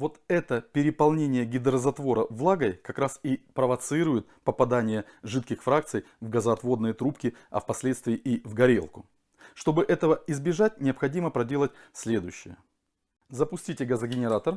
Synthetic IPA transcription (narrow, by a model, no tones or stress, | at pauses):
vo̞t̪ɛt̪əpʲɪɾʲɪpɐlˠnʲenʲɪjəɡʲɪd̪ɾəzɐt̪vo̞ɾəvlˠaɡəjkɐkɾasipɾəvɐt̪sɨiɾʊjɪt̪̚pəpɐd̪anʲɪjəʐɨt̪̚kʲɪxfɾak̚t̪sɨj | vɡəzɐɐt̪vo̞d̪nɨjət̪ɾupkʲɪɐ̰fpɐsʲlʲe̞t̪st̪vʲɪːʔivɡɐɾʲelˠkʊ | ʂt̪o̞bɨʔɛt̪əvəɪzbʲɪʐat̚ʲnʲɪəpxɐdʲiməpɾɐdʲe̞lˠət̚ʲsʲlʲe̞d̪ʊjʉɕːɪ̰jə | zəpʊsʲtʲitʲɪɡɐzəɡʲɪnʲɪɾat̪ər